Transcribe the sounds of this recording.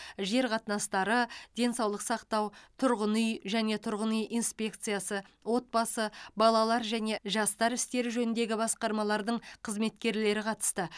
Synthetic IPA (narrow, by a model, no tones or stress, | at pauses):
ʒe̞ɾqʰɑt̪nɑst̪ɑɾəd̪̥e̞nsɑwlˠəqsɑqt̪ɑwt̪ʰʊɾʁənʏjʒæne̞t̪ʰʊɾʁənijʔijnspʲe̞k̚t̪sɨjasəwo̞t̪̚bɑsəbɑlˠɑlˠɑɾʒæne̞ʒɑst̪ɑɾɪst̪e̞ɾɪʒɵnɪnd̪e̞ɡʲɪbɑsqɑɾmɑlˠɑɾd̪əɴqʰəzme̞t̪kʲe̞ɾle̞ɾɪqʰɑt̪ə̥st̪ə